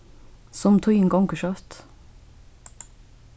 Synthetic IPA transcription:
sɔmt̪ʰɔʏɪŋɡɑŋkəʃœft̪

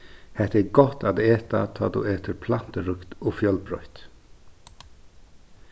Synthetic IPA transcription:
hɛht̪ɛɡɔht̪ad̪eːt̪a̰t̪ʰɔ̰ːd̪ṵeːt̪əɾpʰlan̥t̪əɾʏkt̪ɔfjœlbɾɔ̰ʏht̪

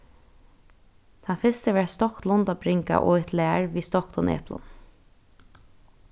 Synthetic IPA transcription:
t̪ʰafɪst̪əʋɛːɹst̪ɔklʊnt̪ɔːbɾɪŋka̰ʔɔ̰ːɪt̪læːɹʋiːst̪ɔkd̪ɔnʔɛ̰ːplʊ̰n

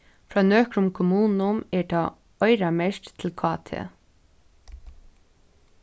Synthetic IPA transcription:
fɹɑːnøːkɾʊmkʰʊmuːnʊmeːʈʰɑː | œʏɾɑmɛʃtt̪ʰɪlkʰɑːt̪ʰḛ

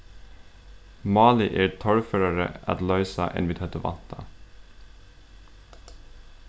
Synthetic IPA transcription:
mɑːlɪʔeːt̪ʰɔɽføːɾɑɹə̰ʔɑ̰t̪lœʏsɑʔɛ̰nʋɪːt̪ʰœt̪əʋɑ̰nt̪ʰɑ

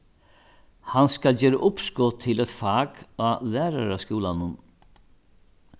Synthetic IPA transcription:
hanskald͡ʑeːɾaʔʊpskɔt̪ʰːɪlɛt̪faːkaːlæːɾaɾaskuːlanʊn

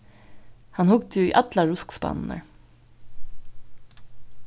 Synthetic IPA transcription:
hɑnhʊɡd̪əjʊḭːʔɑt̪lɑɹʊskspɑ̰nn̩ə̰ɹ

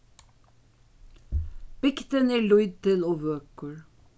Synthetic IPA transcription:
b̥ɪkt̪ənæːɭʊʏd̪̚t̪ɪloːʋøːkəɹ

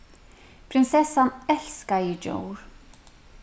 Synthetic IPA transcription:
pʰɾɪnsɛsanɛl̥skajɪd͡ʒo̰wɾ

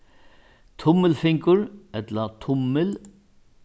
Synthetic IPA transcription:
t̪ʰʊmːəlfɪŋkʊɾɛt̪lat̪ʰʊmːɪl

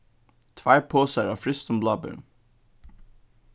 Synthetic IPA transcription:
t̪ʰʋæɪpʰoːsæɑːfɾʏst̪ɔmblɑːbœ̰n

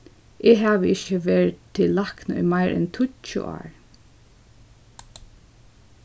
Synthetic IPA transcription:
ʔeɦaːʋəɪçəʋɛːɹt̪ʰːɪlːaknɔ̰maɪɹʔɛ̰nt̪ʰʊt͡ʃʊ̰ʔa̰ːɹ

